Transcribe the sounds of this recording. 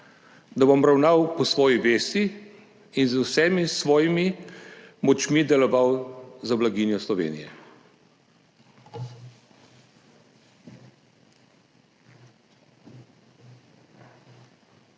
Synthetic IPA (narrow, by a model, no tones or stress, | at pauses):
d̪abɔmɾawnawpɔsʋɔːjiʋeːst̪iː | nzwsɛmisʋɔːjimi | mɔt͡ʃmid̪ɛlɔʋawzablaɡinjɔslɔʋḛːnḭjɛ̰